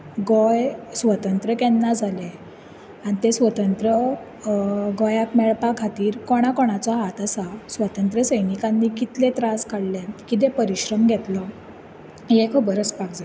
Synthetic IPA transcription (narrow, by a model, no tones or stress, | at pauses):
ɡɔjsʋət̪ənt̪ɾəkɛnːad͡zʱale | anit̪esʋət̪ənt̪ɾə | ɡɔjakmɛɭpakʰːat̪iːɾkɔɽ̃akɔɽ̃at͡saɦat̪asasʋət̪ənt̪ɾəsəjnikanːiːkit̪lẽt̪ɾaskaɽlekit̪̬ẽpəɾiɕɾəmɡʱɛt̪lɔ | jɛkʰəbəɾəspakd͡za